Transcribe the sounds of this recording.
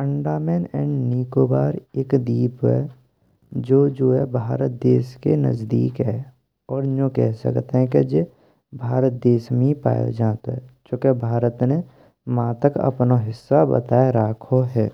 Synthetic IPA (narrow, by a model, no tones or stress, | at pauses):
pə̃ɳɖaːmɛːnɛ̃ːɳɖniːkoːbaːɾeːkd̪iːpɦɛ̰ | d͡ʒoːd͡ʒoːɦɛbʱaːɾət̪̚d̪eːskenə̰zd̪iːkɦɛː | ɔːɾõkɛɦsə̰kt̪ɦɛ̃ked͡ʒe | bʱaːɾət̪̚d̪eːsmẽipa̰ːjo̰d͡ʒaːt̪ɦɛt͡ʃõːkebʱaːɾət̪ne | mãːt̪əkɐ̰pnaɦɪsːabə̰t̪aːeɾaːkʰoɦɛː